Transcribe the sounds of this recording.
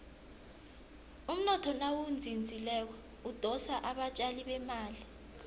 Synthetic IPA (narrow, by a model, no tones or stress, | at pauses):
um̩nɔtʰɔnawund͡zʱind͡zʱilɛk̬ɛ | ud̥ʱɔsaʔaɓat͡ʃʼaliɓɛmaːli